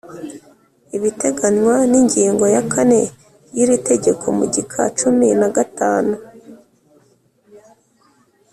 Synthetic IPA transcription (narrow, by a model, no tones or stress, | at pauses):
iβite̞ɡaɲwaniɲɟiːŋɡo̞jakʰane̞ | jiɾite̞ɟe̞kʰo̞̰mṵɟikʰa̰t͡ʃuminaɡataːnu